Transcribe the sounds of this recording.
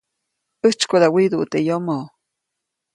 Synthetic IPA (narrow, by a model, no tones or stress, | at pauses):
əht͡ʃkod̪awid̪uʔt̪ejomo